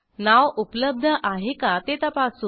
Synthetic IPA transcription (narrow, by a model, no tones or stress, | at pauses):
naʋupləb̚d̪ʱəʔaɦekat̪et̪apasu